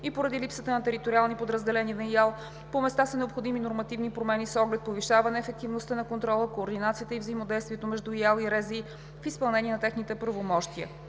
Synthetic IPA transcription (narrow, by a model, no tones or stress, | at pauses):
ipoɾɐd̪ilipsət̪ənɐt̪ɛɾit̪oɾialˠnipod̪ɾəzd̪ɛlɛniənɐjalˠ | pomɛst̪asənɛopxod̪iminoɾmɐt̪ivnipɾomɛnisɔɡlɛt̪̚poviʃavɐnɛːfɛk̚t̪ivnost̪ənɐkont̪ɾɔlˠəkoːɾd̪inat̪sijət̪əivzəimod̪ɛjst̪vʲiɛt̪omɛʒd̪ujalˠiɾɛzi | fispɐlˠnɛniɛnɐt̪ɛxnit̪ɛpɾɐvomɔʃt̪iə̰